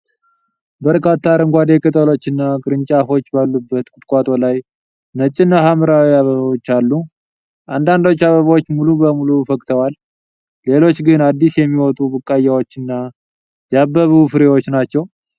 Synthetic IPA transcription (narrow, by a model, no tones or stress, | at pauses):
bəɾkʰat̪ʰːaɾɨŋɡʷad̪e̞kɨt̪ʰʼəlo̞t͡ʃːɨnːaɡɨɾɨɲt͡ʃʼafo̞t͡ʃːbalːubːət̪kʼʊt̪kʼat̪ʼo̞laj | nət͡ʃʼːɪnːaɦaməɾawiaβəβwot͡ʃːalːu | ʔand̪and̪o̞t͡ʃːaβəβwot͡ʃːmulubəmulufəkʼt̪ʰəwalː | e̞lo̞t͡ʃːɡɨnad̪ːisjɛmːiwɔt̪ʼubɨkʼːajːawot͡ʃːɨnːa | jɛabːəβɨfɨɾewo̞t͡ʃːnat͡ʃːɛw